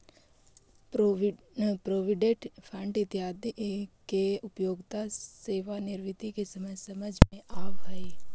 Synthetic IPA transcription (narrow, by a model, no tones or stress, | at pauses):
po | pɾoːʋɪɖẽʈpʰə̃ɳɖɪt̪jaːd̪ikeʊpjoːɡt̪aseːʋanɪɾʋɪt̪ikesɐməsɐməd͡ʒʱmẽʔaːʋɦəi